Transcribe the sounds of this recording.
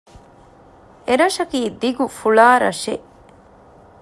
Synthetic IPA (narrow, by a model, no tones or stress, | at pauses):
eɾɐʃɐkiːd̪iɡufuɭaːɾɐ̰ʂe